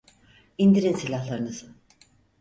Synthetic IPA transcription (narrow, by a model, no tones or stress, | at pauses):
ind̪iɾinsilʲahlˠaɾɯnɯzɯ